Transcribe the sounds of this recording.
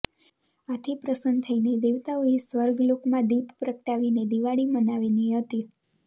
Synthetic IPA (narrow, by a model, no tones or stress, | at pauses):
at̪ʰipɾəsənd̪t̪ʰəined̪eʋt̪aoesʋəɾɡlokmãd̪ippɾəkʈaʋined̪iʋaɭimənaʋiniɦət̪i